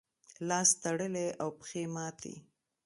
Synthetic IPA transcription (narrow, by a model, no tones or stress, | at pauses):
lɑst̪aɽəleʔawpə̥xemɑt̪ʰḛ